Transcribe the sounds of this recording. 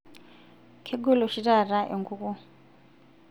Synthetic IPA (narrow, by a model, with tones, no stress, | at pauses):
kʰe˦ɡu˦lɔ˨ʃi˦ra˨ra˦ʔe˨ŋɡu˦ku˦